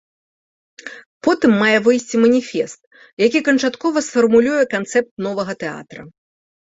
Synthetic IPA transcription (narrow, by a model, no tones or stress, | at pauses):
pɔt̪ɨmːajɛvɨjsʲt͡sʲimɐnʲifʲɛst̪̚ | jakʲikɐnt͡ʂat̪kɔvɐsfɐrmulʲujɛkant̪sɛp̚t̪̚nɔvɐɣɐt̪ɛa̰t̪ɾɐ